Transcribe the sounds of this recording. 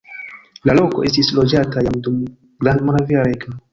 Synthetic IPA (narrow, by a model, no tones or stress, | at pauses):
lalo̞ko̞ʔe̞stislo̞d͡ʒatajamdum | ɡɾandmonaviaɾeka